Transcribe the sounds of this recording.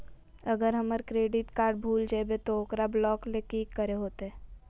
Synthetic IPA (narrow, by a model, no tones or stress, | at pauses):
əɡəɾɦɐməɾkɾeːɖɪʈkaːɾɖ̚bʱuːld͡ʒaɛbet̪ooːkɾablɔːklekiːkːəɾeɦoːt̪eɦɛː